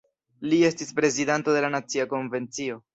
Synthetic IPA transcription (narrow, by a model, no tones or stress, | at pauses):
lie̞stispɾe̞zidanto̞de̞lanat͡siako̞nve̞nt͡sio̞